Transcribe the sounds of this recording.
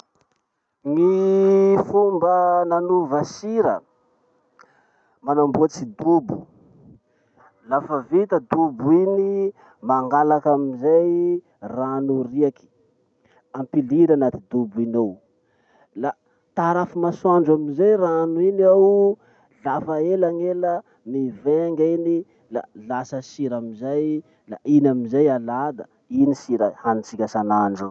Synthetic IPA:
ŋi | fumbənanuvasiɾə̰ | manambuat͡sid̪ubu | lafəvit̪əd̪ubuini | maŋɡalakamizaj | ranuriaki̥ | ampiliɾanat̪id̪ubinow | la | t̪aɾafimaswaɳɖ͡ʐamizajranuinaw | ɮafaelaŋelə | niveŋɡini | la̰lasəsiɾamizaj | la̰ʔinamizajalad̪ə | inisiɾəhanit͡sikʲasanaɳɖ͡ʐu

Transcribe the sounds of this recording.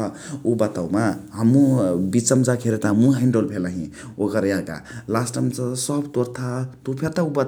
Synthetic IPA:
ubət̪aumaɦəmːũbit͡səmd͡zakʰeɾet̪amũɦiɳɖolpʰelaɦḭ̃ | okəɾjaka̰lasʈəmt͡sasʌbt̪oɾt̪ʰat̪opʰeɾt̪aub̪

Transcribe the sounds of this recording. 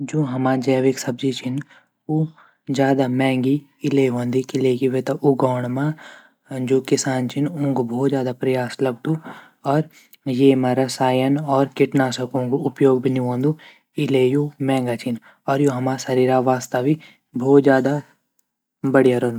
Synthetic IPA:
d͡ʒoːɦɐmaːd͡ʒɛːʋeksɐbzit͡ʃʰɪn | u | d͡ʒjaːd̪amɛ̃ːŋɡi | ɪleɦõːnd̪ikileːkiʋet̪aʔʊɡɔːɳ̃mã | d͡ʒoːkɪsaːnt͡ʃʰɪnũŋɡbʱoːt̪zjaːd̪apɾɐjaːslɐɡ̚d̪u | ɔːɾ | jeːmaɾɐsaːjənɔːɾkɪʈnaːsɐkõŋɡuʊpjoːɡ̚bʱiniɦõːnd̪u | ɪlejoːmɛ̃ːŋɡat͡ʃʰin | ɔːɾjoːɦɐmaːsɐɾiːɾaʋaːst̪aʋi | bʱoːt̪zjaːd̪a | bɐɽijaɾõːnd̪u

